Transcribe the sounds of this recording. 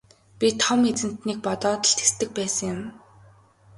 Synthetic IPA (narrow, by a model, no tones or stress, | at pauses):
pʲit̪ʰɔmet͡sɘ̆n̥t̪niːk̚pɔt̪ɔːt̪ɞ̆ɬt̪e̥st̪ɘ̆k̚pæːsə̆ŋjʊm